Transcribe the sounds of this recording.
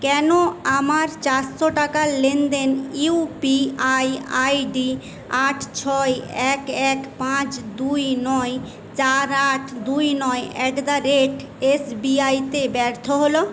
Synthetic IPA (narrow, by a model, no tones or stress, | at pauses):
kɛnoamaɾt͡ʃaɾsɔʈakalend̪enupiaja̰jɖi | aʈʰt͡ʃʰɔjekekpãt͡ʃd̪ujnɔj | t͡ʃaɾaʈʰd̪uinɔjɛkd̪aɾeʈ | esbiait̪ebɛɾt̪ʰɔɦolɔ